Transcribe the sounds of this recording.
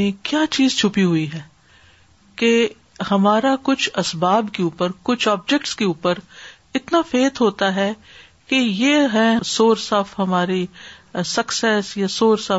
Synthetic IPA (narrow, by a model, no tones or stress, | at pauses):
ẽkjaːt͡ʃiːzt͡ʃʰʊpiɦʊiɦɛː | ke | hɐmaːɾakʊt͡ʃʰɐsbaːbkeuːpəɾkʊt͡ʃʰaːb̚d͡ʒɛkʈskeuːpəɾ | ɪt̪nafeːt̪ɦoːt̪aɦɛ | kejeːɦɛ̃soːɾsɐfɦɐmaːɾisɐksɛːsjasoːɾsɐ